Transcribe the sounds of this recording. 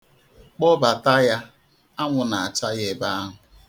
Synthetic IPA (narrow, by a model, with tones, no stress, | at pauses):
k͡pɔ˦ba˨ta˦ja˦ | a˦ŋʷʊ˨na˨a˨t͡ʃa˦je˨ba˦a˦ɦʊ˨